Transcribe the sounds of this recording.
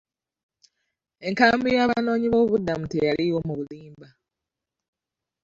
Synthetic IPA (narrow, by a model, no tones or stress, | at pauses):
e̞ŋkaːmbijaːβano̞ːɲiβoːβuβudːamutejaliwo̞muβuliːmba